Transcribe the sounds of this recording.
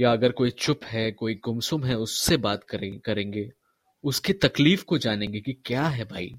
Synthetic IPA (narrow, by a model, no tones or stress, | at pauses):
jaɐɡəɾkoːit͡ʃʊpɦɛkoːiɡʊmsʊmɦɛʊsːebaːt̪kɐɾẽːŋɡe | ʊsket̪ɐkliːfkod͡ʒaːnẽːŋɡekikjaːɦɛbʱaːḭː